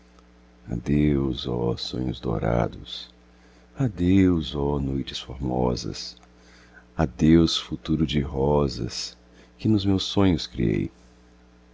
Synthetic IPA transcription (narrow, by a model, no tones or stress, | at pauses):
a̰d̪ewzɔsõ̰ɲʊzd̪o̰ɾa̰d̪ʊs | ad̪ewzɔnojt͡ʃɪ̥sfoɾmɔzɐ̰s | ad̪ewsfut̪uɾʊd͡ʒɪɦɔzɐ̰s | kɪnʊzmewsõɲʊskɾiej